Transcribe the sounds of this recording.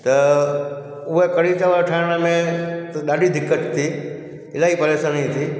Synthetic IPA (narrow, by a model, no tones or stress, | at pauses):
t̪ɐ | ʊɦekɐɽit͡ʃəʋəɾʈʰaɽ̃əmẽt̪ɐɗaːɗid̪ʱɪkːət̪t̪ʰːi | ɪlaːɦipɐlesə̃nĩt̪ʰiː